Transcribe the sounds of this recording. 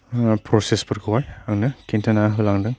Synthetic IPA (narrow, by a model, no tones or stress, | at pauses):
pʰɾɔsespɯɾɡɯwajaŋnɯkentʰɐnaɦɯlaŋdɯŋ